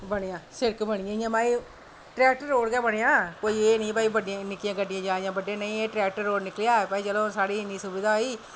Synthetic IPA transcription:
bəɳɪjãːsɪɾkbəɽɪjãːɪjãːmaːiː | ʈɾɛːk̚ʈəɾːoːɽɡɛːbəɽeãːkoːiːeːnĩːpaːiːbəɖɪãːnɪkijãːɡəɖɪãːd͡ʒaːiãːbəɖjãːnəĩːeːʈɾɛːk̚ʈəɾːoːɽnɪklejaːpaːiːd͡ʒəlõːsaːɽiːnĩːsʊbid̪aːoːiː

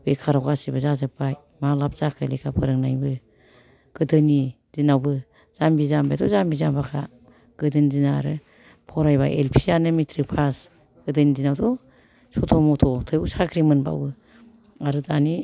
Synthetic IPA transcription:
b̥ekʰaɾawɡasibɯzazɯpːaj | malap̚ʰz̥akʰɯlikʰapʰɯɾɯŋnajbɯ | ɡ̥ɯdɯni | z̥inawbɯ | z̥ambizambajtʰɔzambizambakʰa̰ | ɡ̥ɯdɯnizinaɾɯ | pʰɔɾajba̰ʔḛlpʰianɯmitʰɾipʰas | ɡ̥ɯdɯnidinawtɔ | sɔtʰɔmɔtʰɔtʰɯjusakɾimɯnba̰wbɯ | aɾɯdani

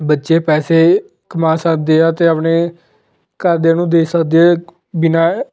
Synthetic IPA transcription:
bətːʃeːpɛːseː | kəmaːsəkd̪eːaːt̪eːəpɳeː | kəɾd̪eːnũːd̪eːisəkd̪eː | bɪnaː

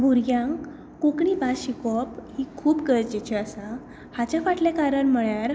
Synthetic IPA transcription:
bʱuɾɡjãŋkː | okɳiːbaɕikɔphiːkʰuːpɡəɾd͡ʑet͡ɕiasa | hat͡ɕjafaʈljakaɾəɳməɭjaɾ

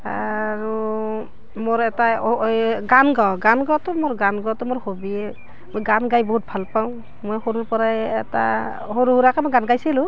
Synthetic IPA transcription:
aɹu | moɹɛta | ɡanɡawɡanɡawtɔmoɹɡanɡawtɔmoɹhobiɛ | mojɡanɡajbɔɦut̚bʱalpaw̃ | mojhoɾuɹpɔɹaɛːta̰ | hoɾuɦuɹakamɔjɡanɡajsilʊ

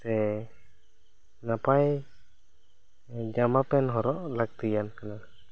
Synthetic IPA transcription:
sɛ | napaj | d͡ʒamapɛnɦɔɾɔʔlak̚t̪ijankana

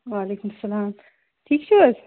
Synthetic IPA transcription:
ʋaːleːkʊmɐsːɐlaːm | ʈʰiːk̚t͡ʃʰuɐz

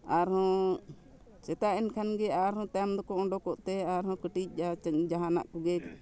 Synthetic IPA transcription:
aɾhɔ̃ | t͡ʃɛt̪aʔɛnkʰanɡɛaɾhɔ̃t̪ajamd̪ɔkɔɔɳɖɔkɔʔt̪ɛaɾhɔ̃kəʈic̚ˀd͡ʒad͡ʒaɦana̰ʔkɔɡɛk

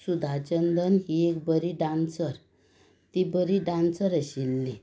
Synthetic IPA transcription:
sud̪ʱat͡ɕənd̪ənɦiek̚bəɾiɖãnt͡səɾ | t̪ibəɾiɖãnt͡səɾəɕilːi

